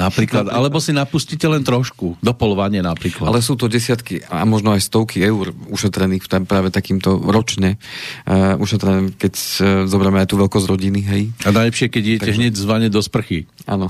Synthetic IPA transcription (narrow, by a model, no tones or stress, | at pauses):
napɾiːklad̪a̰lɛbɔsinapuscicɛlɛnt̪ɾɔʃkud̪ɔpɔlʋaɲɪɛnapɾiːklaalɛsuːt̪ɔɟɛsɪat̪kia̰mɔʒnɔajst̪ɔʊkiɛuɾuʃɛt̪ɾɛniːxt̪apɾaːʋɛt̪akiːmt̪ɔɾɔt͡ʃɲɛ | uʃɛt̪ɾɛnɛkɛczɔbɾamɛajt̪uːʋɛlkɔzɟɾɔɟiniɦɛjanajlɛpʃɪɛkɛɟijɛtɛɦɲɛɟzʋaɲɛd̪ɔspr̩xiʔa̰ːnɔ